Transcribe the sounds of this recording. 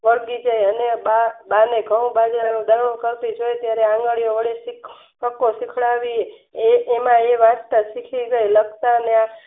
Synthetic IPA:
ʋəɭɡid͡ʒajənebabaneɡʱəʋũbad͡ʒanũd̪əɾɳũkəɾpid͡ʒojet̪jaɾeãŋɡəɭijoʋəɽesik | kəkːosikʰɭaʋie | eːmãeʋatt̪asikʰiɡəjləɡt̪aənea

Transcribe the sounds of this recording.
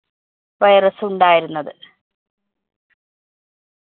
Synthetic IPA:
ʋɐjɐrɐsɨuɳɖaːjiɾunːɐðɨ

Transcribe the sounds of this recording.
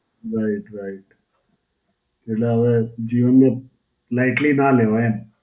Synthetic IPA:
ɾaɪʈɾaɪʈ | k̪eleʋed͡ʒiːʋənmẽ | laɪʈlinaleʋaen

